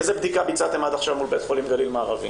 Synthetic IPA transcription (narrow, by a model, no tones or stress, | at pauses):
zebd̪ikabit͡sat̪emad̪aχʃavmulbet̪χolimɡalilmaːʁavḭ